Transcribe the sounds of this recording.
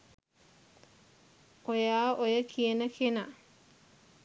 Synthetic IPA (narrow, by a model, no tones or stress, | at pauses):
ojaːʔojəkʰiənəkʰena